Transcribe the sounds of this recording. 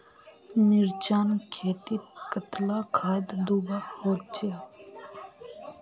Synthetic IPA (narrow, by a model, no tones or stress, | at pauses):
nɪɾt͡ʃaːnkʰeːt̪ikət̪lakʰaːd̪d̪ubahoːt͡ʃe